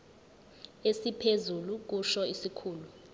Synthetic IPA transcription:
esipʰezuluk̬uʃɔisikʰuːlu

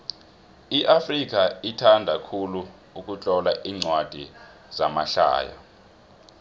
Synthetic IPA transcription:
iʔafrik̬aitʰandʱakʰulu | uk̬ʼut͡ɬʼɔlaʔiːŋ͡ǀwad̥ʱi | z̥amaɬa̰ːja̰

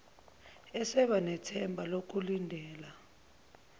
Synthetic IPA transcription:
ɛsɛɓanɛtʰɛmbʱalok̬ulindʱɛːla

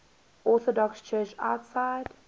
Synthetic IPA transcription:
ɔˑθɔdɔkst͡ʃʰɜːt͡ʃa̰ʊtsaɪd̥

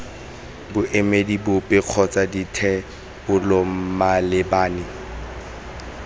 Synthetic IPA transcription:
bʊʔemedibʊpʼɪq͡χʰɔt͡saditʰɛ | bʊlɔmalɪbaːnɪ

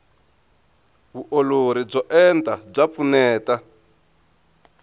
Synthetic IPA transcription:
βuʔoloɾib͡ʐɔʔɛntab͡ʐap̪funɛːta

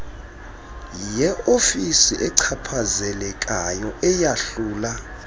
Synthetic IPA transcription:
ijɛofisiʔɛǀʰapʰazɛlɛkʼajɔʔɛjaɬuːla

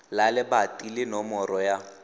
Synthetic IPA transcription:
lalɪbatʼilɪnɔmɔrɔja

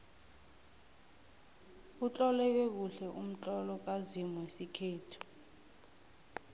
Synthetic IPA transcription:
ut͡ɬʼɔlɛk̬ɛk̬uɬɛʔum̩t͡ɬʼɔlɔk̬azimuwesikʰeːtʰu̥

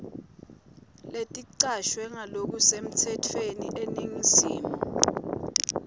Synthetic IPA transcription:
letʼiǀaʃwɛŋalok̬usem̩tʰɛtʰweniʔeniŋisiːmɔ

